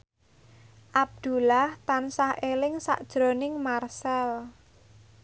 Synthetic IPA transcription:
ʔab̚d̪̥ṳlaht̪ansahʔelɪŋsa̰ʔd̥ʒ̥ɾo̤nɪŋmarsɛl

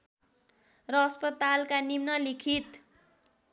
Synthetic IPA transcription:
rʌːspʌt̪alkanimnʌlikʰit̪

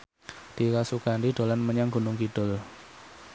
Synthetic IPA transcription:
d̪̥i̤kasuɡ̥andiɖ̥o̤lanməɲaŋɡṳnʊŋkid̥ʊl

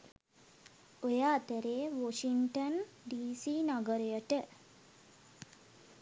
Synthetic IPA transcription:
ojaːt̪əɾeːʋoʂiŋʈən | ɖiːsiːnaɡəɾəjəʈə

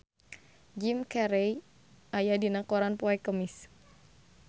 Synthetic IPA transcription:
d͡ʒimkɛɾɛj | ʔajadinakɔɾanpɔɛkəmis

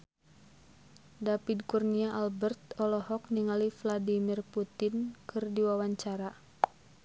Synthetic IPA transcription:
dapidkurniaʔalbɛrt̪ɔlɔhɔk̚niŋalifladimirput̪ɪnkʰɨrdiwawaɲt͡ʃaɾa

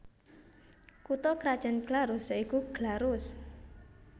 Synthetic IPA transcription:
kut̪ɔkɾad̥ʒ̥a̤nɡ̥laɾʊsaikuɡ̥laɾʊs

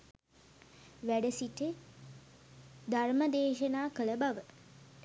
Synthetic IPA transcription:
ʋæɖəsiʈə | d̪ʱarməd̪eːʃɐnaːkələbaʋə

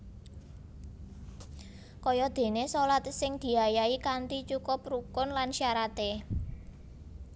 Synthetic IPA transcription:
kɔjɔd̪̥e̤nesolat̪sɪŋd̪̥i̤ajaikant̪it͡ʃukʊp̚rukʊnlanʃjaɾat̪e

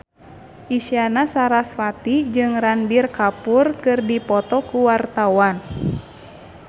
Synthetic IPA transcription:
ʔisianasaɾasfat̪id͡ʒɨŋranbirkapurkɨrdipɔt̪ɔkuwart̪awan

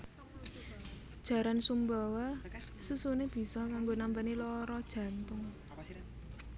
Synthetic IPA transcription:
d̥ʒ̥ä̤ɾansumbawasusuneb̥i̤sɔkaŋɡonambanilɔɾɔd̥ʒ̥ä̤nt̪ʊŋ

